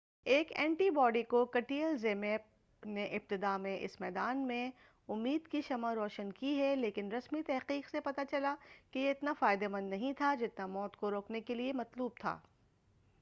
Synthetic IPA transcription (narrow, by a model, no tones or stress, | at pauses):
eːkɛ̃ːɳʈibɔːɖikokɐʈiːəlzeːmeːp̚ | neʔɪb̚t̪ɪd̪amẽʔɪ̰smɛːd̪aːnmẽ | ʊmːiːd̪kiʃɐmaɾɔːʃənkiɦɛleːkɪnɾɐsmit̪ɛɦqiːqsepɐt̪at͡ʃɐlakejeɪt̪nafaːɪd̪emɐ̃nd̪nɐɦĩt̪ʰad͡ʒɪt̪namɔːt̪koɾoːknekeliemɐt̪luːb̚t̪ʰa̰ː